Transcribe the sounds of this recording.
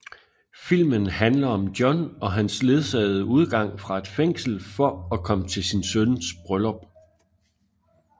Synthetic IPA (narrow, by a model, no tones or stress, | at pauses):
fil̰mənhænlɐɒ̽md̥jɒ̽nɒ̽ɦænsle̝ð̞ˠsɛ̰ːð̞̩ˠəuð̞ˠɡ̥ɑ̈ŋ̰fʁɑ̈e̝d̥feŋ̰sl̩fɒ̽ɒkʰɒ̽mət͡sʰe̝lsinsønsb̥ʁœlɒ̽b̥